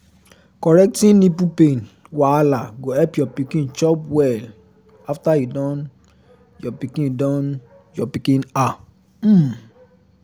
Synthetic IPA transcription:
kɔɾɛk̚tĩnnĩpupẽn | walaɡoɛpjɔpikĩnt͡ʃɔpwɛl | aftaidɔ̃n | jɔpikĩndɔ̃n | jɔpikĩna | m̩m

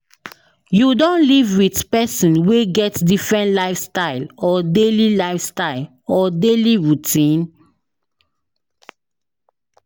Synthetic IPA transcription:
judõnlivwitpɛsĩnweɡɛtdifɹɛ̃ntlaɪfstaɪlɔdelilaɪfstaɪl | ɔdeliɹutĩn

